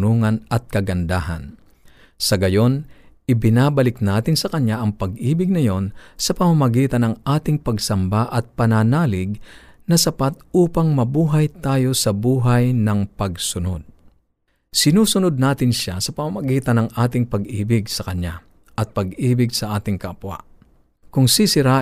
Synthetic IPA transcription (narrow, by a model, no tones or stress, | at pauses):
nuŋɐnɐt̪̚kɐɡɐnd̪aːɦɐ̰n | sɐɡɐjo̞nʔɪbɪnaːbɐlɪknaːt̪ɪnsɐkɐɲaʔɐŋpɐɡʔiːbɪɡ̚nɐjo̞nsɐpɐmamɐɡiːt̪ɐnɐŋʔaːt̪ɪŋpɐɡsɐmbaʔɐt̪̚pɐnanaːlɪɡ̚nɐsɐpat̪̚ʔuːpɐŋmɐbuːɦɐjt̪aːjo̞sɐbuːɦɐjnɐŋpɐɡsʊno̞d̪̚ | sɪnuːsʊnod̪̚naːt̪ɪnʃasɐpɐmamɐɡiːt̪ɐnɐŋʔaːt̪ɪŋpɐɡʔiːbɪɡsɐkɐɲːa | ʔɐt̪̚pɐɡiːbɪɡsɐʔaːt̪ɪŋkɐʔɐpwa̰ʔ | kʊŋsisɪɾa